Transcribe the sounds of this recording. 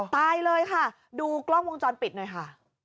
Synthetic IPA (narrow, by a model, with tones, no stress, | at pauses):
t̪aː˧jlɤː˧jkʰa˥˩ | duː˧klɔ˥˩ŋwo˧ŋt͡ɕɔː˧npi˨˩noː˧˦jkʰa˥˩